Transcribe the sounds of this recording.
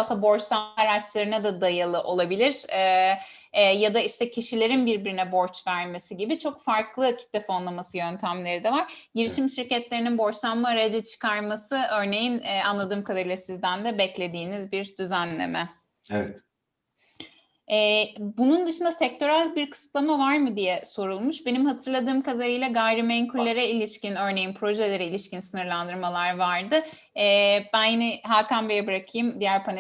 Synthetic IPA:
sabo̞ɾt͡ʃlˠamaaɾat͡ʃlˠaɾɯnad̪ad̪ajalˠɯʔo̞lˠabilʲiɾ̥ɛː | jad̪aiʃt̪ʰɛcʰiʃilʲe̞ɾinbiɾbiɾinɛbo̞ɾt͡ʃvæɾme̞siɟibit͡ʃʰo̞kfaɾklˠɯcʰi̥t̪̚d̪ɛfonlˠamasɯjønt̪ʰæmlʲe̞ɾid̪ɛvaɾ̥ | ɟiɾiʃimʃiɾcɛt̪lʲe̞ɾininbo̞ɾt͡ʃlˠammaːɾajad͡ʒɛt͡ʃʰɯ̥kʰaɾmasɯʔø̞ɾne̞jinɛːanlˠad̪ɯːmkʰad̪aɾɯlˠasizd̪ænd̪ɛbɛclʲe̞d̪iːnizbiɾd̪yzænlʲḛmɛ | evɛt̪ | ɛːbunund̪ɯʃɯnd̪asɛc̚t̪ʰo̞ɾælʲbiɾkʰɯ̥sɯ̥t̪lˠamavaɾmɯd̪ijɛso̞ɾulˠmuʃbe̞nimhat̪ʰɯɾlˠad̪ɯːmkʰad̪aɾɯjlˠaɡajɾimeɲcʰylːʲeɾɛilʲiʃcinø̞ɾne̞jinpʰɾo̞ʒe̞lʲe̞ɾɛilʲiʃcinsɯnɯɾlˠand̪ɯɾmalˠaɾvaɾd̪ɯ | ɛːb̥ænjinɛɦaːkʰambejɛbɯɾakʰɯjɯmd̪ijæɾpʰan

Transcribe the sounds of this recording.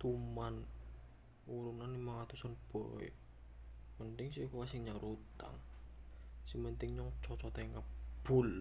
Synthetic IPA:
t̪uman | uɾunanimaŋat̪usanb̥oɛ̰ | mənt̪ɪŋsikuwasiŋɲaɾut̪a̰ŋ | simənt̪ɪŋɲɔŋt͡ʃɔt͡ʃɔt̪aŋkəb̥ʊl

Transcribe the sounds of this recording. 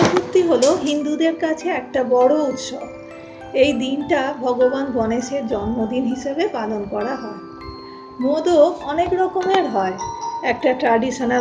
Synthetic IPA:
kut̪ːiɦoloɦind̪ud̪eɾkat͡ɕʰeɛk̚ʈabɔɽout̪ʃob | ejd̪inʈabʱɔɡobanɡɔneʃeɾd͡ʑɔnmod̪inɦiʃebepalonkɔɾaɦɔe | mod̪oɔnekɾɔkomeɾɦɔeɛk̚ʈaʈɾaɖiʃona

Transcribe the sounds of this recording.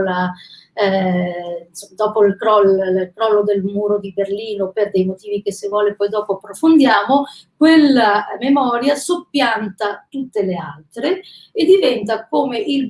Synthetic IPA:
la | nsod̪ɔːpoilkɾɔlkɾɔlːod̪elmuːɾod̪iberliːnoperd̪ejmot̪iːvik̟esːevwɔːlepɔjd̪ɔːpoapːɾofond̪jaːmokwelːamemɔːɾjasopːjant̪at̪ut̪ːelealt̪ɾe | ed̪ivɛnt̪akoːmeʔil

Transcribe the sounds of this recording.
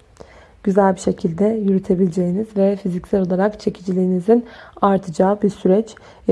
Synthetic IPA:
ɟ̥yzælʲbiʃe̞cʰilʲd̪ɛjyɾyt̪ʰe̞bilʲed͡ʒejinizvɛfizicsæɾo̞lˠaɾakt͡ʃʰe̞cʰid͡ʒilʲijinizinaɾt̪ʰɯd͡ʒaːbiɾsyɾɛt͡ʃ

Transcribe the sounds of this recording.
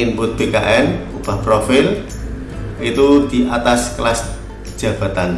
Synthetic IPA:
inbʊt̪̚b̥eka̰ʔɛnub̥a̤hpɾofɪl | it̪ud̪̥i̤ʔat̪asklas | ʒ̥ä̤b̥a̤t̪an

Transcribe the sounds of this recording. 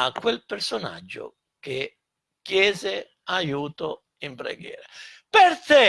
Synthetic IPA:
akːwelpersona̰d͡ʒːʊ̰ | ke | kjɛːzɪ | ajuːt̪ʊ | impɾḛɡjɛ̰ːɾapert̪ɛ

